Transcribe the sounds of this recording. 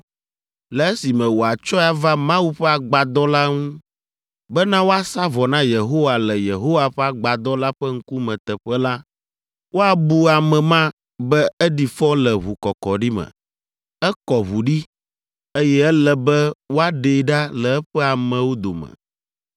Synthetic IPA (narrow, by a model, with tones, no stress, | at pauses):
lɛ˨ɛ˦si˨mɛ̃˨wo˨a˨t͡ʃɔ˦a˨va˦mã˦wu˦ɸɛ˦a˨ɡ͡ba˨d̪ɔ˦la˦ŋũ˦ | bɛ˦nã˦wo˦a˦sa˦vɔ˨nã˦je˨ɦo˦wa˨lɛ˨je˨ɦo˦wa˦˨ɸɛ˦a˨ɡ͡ba˨d̪ɔ˦la˦ɸɛ˦ŋ̩˦ku˦mɛ̃˨t̪ɛ˨ɸɛ˦la˦ | wʔo˦a˨bu˦a˨mɛ̃˨mã˦ | bɛ˦ɛ˦ɖi˨fɔ̃˦lɛ˨βu˨kɔ˨kɔ˨ɖi˦mɛ̰̃˨ | ɛ˦kɔ˨βu˨ɖi˦ | e˦jɛ˦ɛ˦lɛ˨bɛ˦wo˦a˦ɖe˨˦ɖa˦lɛ˨ɛ˦ɸɛ˦a˨mɛ̃˨wo˦d̪o˨mɛ̰̃˨